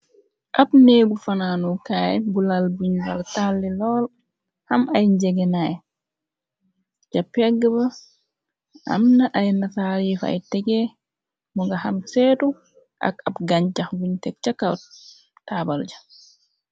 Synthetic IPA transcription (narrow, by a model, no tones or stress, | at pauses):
ʔabneɡufananukajɛbulalbuɲwaltalːɛlɔl | hamajɲd͡ʒɛɡɛnaj | d͡ʒapɛɡːaba | ʔa̰mnaʔajnataɾiːfa̰jtɛɡɛ | muŋɡahamsɛːdu | ʔa̰ka̰bɡaɲd͡ʒaxɡuɲtɛk̚t͡ʃakaw | tabald͡ʒḁ